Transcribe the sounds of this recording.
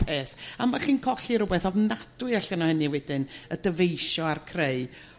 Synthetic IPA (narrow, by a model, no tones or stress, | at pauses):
pʰeːθamaɬiːnkʰɔɬiɾʊbɛθɔvnad̥ʊɨaɬɡənahəniwɛdɪnədəvejʃɔarkʰreɨ